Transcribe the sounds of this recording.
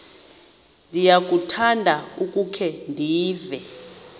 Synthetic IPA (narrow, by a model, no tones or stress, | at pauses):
ndʱijak̬ʼutʰandʱaukʼukʰɛndʱiːvɛ